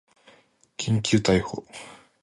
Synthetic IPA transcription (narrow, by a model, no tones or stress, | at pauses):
kʲʰĩŋkʲɨːt̪aiho